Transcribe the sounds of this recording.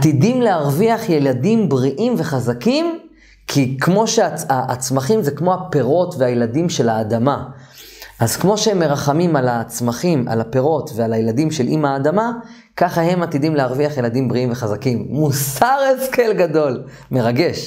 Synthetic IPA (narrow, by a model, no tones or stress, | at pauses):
t̪idimlehaʁviaχje̞ladimbʁiʔimve̞χazakim | kʰikʰmo̞ʃeaaʔt͡smaχimzekmo̞ape̞ʁo̞tveajeladimʃe̞laːdama | azkmo̞ʃeemːe̞ʁaχamimalat͡smaχima̰lape̞ʁo̞tvealajeladimʃelʔimaːdama | kaχahe̞mat̪idimlehaʁviaχje̞ladimbʁiimveχazakimːusaʁeske̞lɡado̞l | me̞ʁaɡe̞ʃ